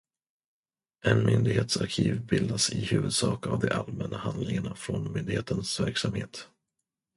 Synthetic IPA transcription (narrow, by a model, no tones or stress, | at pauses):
ʔɛnmʏnd̪ɪɡheːt̪saɾkʰiːvbɪld̪asɪhʉ̟ːvɵd̪sɑːkavd̪ɛʔalmɛnːahand̪lɪŋaɳafɾɔnmʏnd̪ɪheːt̪ənsvæɾksamheːt̪